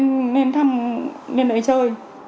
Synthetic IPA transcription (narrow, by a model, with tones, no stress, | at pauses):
nne˧nt̪ʰa˧mne˧nʔə˨˦jt͡ɕəː˧˩j